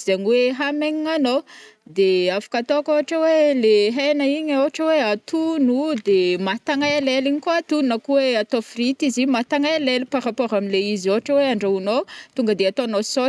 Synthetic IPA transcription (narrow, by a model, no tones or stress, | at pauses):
zeɲiweɦameɲiŋanod̪eafḁkat̪okoɦaʈ͡ʂaweleɦenaiɲowaʈ͡ʂəweat̪unud̪emat̪aŋajaleliɲikoat̪ununakuweat̪ofrit̪izimat̪aŋajalelipaɾapoɾamileizioɦaʈ͡ʂəweaɳɖ͡ʐaunot̪uŋɡəd̪eat̪oanoso